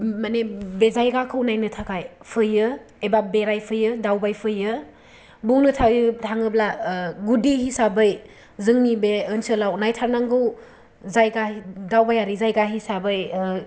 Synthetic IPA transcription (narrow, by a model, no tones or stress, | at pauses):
manebezajɡakʰɯwnajnɯtʰakajpʰɯjɯ | ebabeɾajpʰɯjɯdawbajpʰɯjɯ | buŋnɯtʰaɡjɯtʰaŋɯblaɡudiɦisabɯj | zɯŋnibeɯnsɯlawnajtʰaɾnaŋɡɯw | zajɡaidawbajaɾizajɡaɦisabɯj